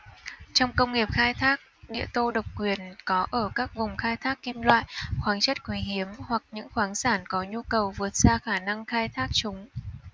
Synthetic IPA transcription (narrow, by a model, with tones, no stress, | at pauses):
t͡ɕɔ˧wŋ͡mkə˧wŋ͡mŋi˨˩əp̚xaː˧jt̪ʰaː˦˥k̚ɗḭ˧˨ət̪o˧ɗə˨˩wk͡p̚kwi˨˩ənkɔ˨˦ʔəː˧˩kaː˦˥k̚vʊ˨˩ŋ͡mxaː˧jt̪ʰaː˦˥kːi˧mlwa̰ː˧˨jxwaː˨˦ŋt͡ɕə˦˥t̚kwi˨˦ɦi˨˦əmhwa˨˩k̚ɲɨ̰˧˥ŋxwaː˨˦ŋsaː˧˩nkɔ˨˦ɲu˧kə˨˩wvɨ˨˩ət̚z̥aː˧xaː˧˩na˧ŋxaː˧jt̪ʰaː˦˥k̚t͡ɕʊ˨˦ŋ͡m